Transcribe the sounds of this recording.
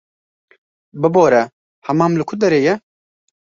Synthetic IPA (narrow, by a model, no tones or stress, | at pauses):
bɨboːɾɛ | hɐmaːmlɨkʰʊd̪ɛɾeːjɛ